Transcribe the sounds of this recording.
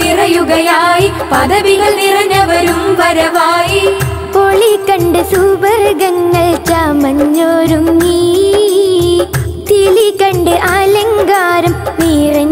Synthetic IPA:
irɐjuɣɐjaːji | pɐðɐʋiɣɐɭnirɐnɐʋɐɾumʋɐɾɐʋaːji | poɭikɐɳɖɨsubɐɾɣɐŋːɐɭt͡ɕaːmɐɲːoːɾumi | t̪iɭikɐɳɖɨʔɐlɐŋɡaːɾɐmmiːrɐ

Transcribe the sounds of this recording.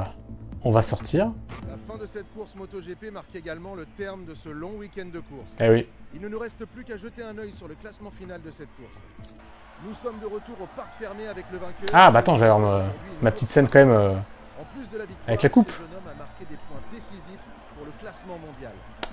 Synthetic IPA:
ɔ̃vasɔʁt̪ʰiʁlafɛ̃d̪əsɛt̪̚kuʁsmot̪oʒepemaʁkeɡalmɑ̃lət̪ɛʁmd̪əsəlɔ̃wikʲɛnd̪əkuʁsewiilnənuʁɛst̪plykaʒət̪eɛ̃nœjsyʁləklasmɑ̃finald̪əsɛt̪̚kuʁs | nusɔmd̪əʁət̪uʁopaʁkfɛʁmeavɛkləvɛ̃kʲœabaat̪ɑ̃ʒavaʁømapət̪it̪sɛnkɑ̃mɛmø | ɑ̃plys̬d̪əlavik̚t̪avɛklakupʒnɔmamaʁkʲed̪epwɛ̃d̪esizif | puʁləklasmɑ̃mɔ̃d̪jal

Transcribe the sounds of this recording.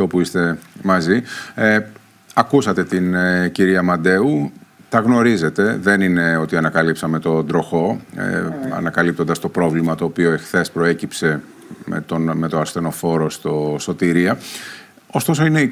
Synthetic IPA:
o̞puist̪e̞mɐzi | ɐkusɐt̪e̞t̪ineciɾiɐmɐd̪e̞ut̪ɐɣno̞ɾize̞t̪e̞ðe̞nine̞o̞t̪iɐnɐkɐlipsɐme̞t̪o̞d̪ɾo̞xo̞̰ | ɐ̰nɐkɐlip̚t̪o̞nd̪ɐst̪o̞pɾo̞vlimɐt̪o̞ːpio̞e̞xθe̞spɾo̞e̞cipse̞ | mḛt̪onme̞t̪oɐsθe̞no̞fo̞ɾo̞st̪oso̞t̪iɾiɐ | o̞st̪o̞so̞ine̞i

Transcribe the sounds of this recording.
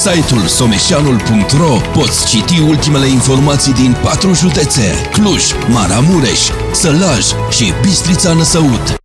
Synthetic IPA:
sajt̪ulso̞me̞ʃianulpuŋk̚t̪ro̞po̞t̪sʲt͡ʃit̪iult̪ime̞le̞info̞rmat̪sijd̪inpat̪ɾuʒud̪e̞t̪sḛrʲkluʃʲ | maɾamuɾḛʃʲ | səlaʒ | ʃibist̪ɾit̪sanəsəut̪

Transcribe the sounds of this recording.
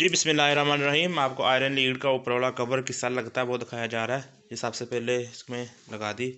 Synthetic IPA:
d͡ʒiːbɪsmɪlːaːiɾamaːnɾɐɦiːmaːp̚koaːɪɾənliːɖkaʊpɾʋəːɭakɐbəɾkɪsalɐɡt̪aɦɛbɔːt̪d̪ɪkʰaːjad͡ʒaːɾaːɦɛ | jesəbsepɛɦleɪsmẽlɐɡaːd̪iː

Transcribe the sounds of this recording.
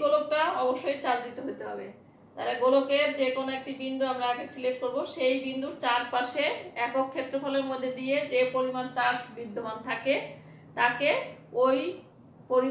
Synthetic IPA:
ɡolok̚ʈaɔboʃːojt͡ɕaɾd͡ʑit̪oɦojt̪eɦɔbe | t̪a̰ɾaɡolokeɾd͡ʑekonoek̚ʈibind̪uamɾaaɡesilek̚ʈ̚koɾboʃejbind̪uɾt͡ɕaɾpaʃeɛkokʰːet̪ːɾofʰoleɾmod̪ʱːed̪ied͡ʑepoɾimant͡ɕaɾsbid̪ʱːoɦant̪ʰake | t̪akeoj | poɾi

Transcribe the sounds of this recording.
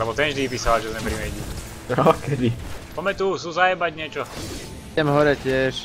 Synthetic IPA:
lɛbɔt̪ɛnʒd̪ipiːsaalʒɛzmɛpɾimɛjɟi | ɔkɛd̪ipɔmɛt̪uːsuzajɛbaɟɲɪɛt͡ʃɔ | ɛmɦɔɾɛcɪɛʃ

